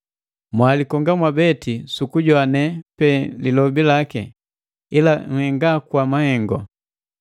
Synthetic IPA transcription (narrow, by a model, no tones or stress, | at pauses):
mwalikɔŋɡamwabɛtisukuɟɔanɛpɛlilɔbilakɛ̰ | ilaŋ̩hɛŋɡakwamahɛŋɡɔ̰